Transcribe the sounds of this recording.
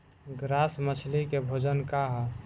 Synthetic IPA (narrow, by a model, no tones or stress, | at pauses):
ɡɾasmət͡ʃʰlikebʱod͡ʒənkaɦ